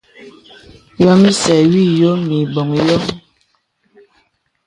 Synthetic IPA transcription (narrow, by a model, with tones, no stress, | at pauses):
jɔ˨mi˦sɛ˨ɥi˦˨jo˦mi˨bɔ˨ŋjɔ˦